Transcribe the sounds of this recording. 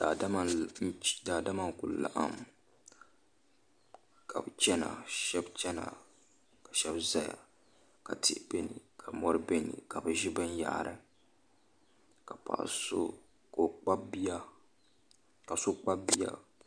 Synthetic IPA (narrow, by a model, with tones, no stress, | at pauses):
d̥a˨da˦ma˦n̩˦daː˨da˦ma˦ŋ̩˨ku˨lla˨ʔa̰˦m | ka˨bɨ˨t͡ʃɛ˦na̰˨ʃɛ˦bt͡ʃɛ˦na̰˨ | ka˨ʃɛ˦bza˦ja̰˨ | ka˨tɪ˦ʔbe˦ni˨kʰa˨mɔ˦ɾɨ˦be˦nḭ˨ka˨bɨ˨ʒɪ˦bɨ˦n˦ja̰˦ʔɾɨ˨ | ka˨pa̰˨ʔso˦ | ko˨k͡pa˦bi˦a˦ | ka˨so˦k͡pa˦bi˦ja̰˦